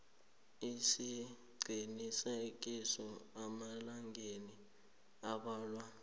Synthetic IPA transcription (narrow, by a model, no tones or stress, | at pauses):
isi | ɡ͡ǀʱinisek̬ʼisɔamalaŋɡʱeni | aɓaːlwa